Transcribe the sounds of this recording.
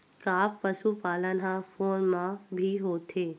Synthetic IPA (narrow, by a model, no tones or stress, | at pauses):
kaːppəsupaːlənɦãpoːnmãbʱiɦoːt̪ʰeː